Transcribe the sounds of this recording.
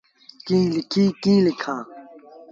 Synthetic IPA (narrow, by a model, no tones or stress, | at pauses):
kĩːlikʰiːkĩːlikʰãː